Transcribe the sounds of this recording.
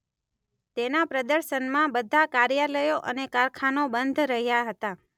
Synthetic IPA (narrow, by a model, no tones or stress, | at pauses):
t̪enapɾəd̪əɾʃənmãbəd̪ʱakaɾjaləjoʔənekaɾkʰanobənd̪ʱɾəɦjaɦət̪a